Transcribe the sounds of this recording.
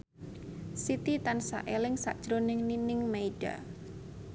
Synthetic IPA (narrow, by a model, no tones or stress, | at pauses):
sit̪it̪ansa̰ʔelɪŋsa̰ʔd̥ʒ̥ɾonɪŋninɪŋmeiɖ̥a̰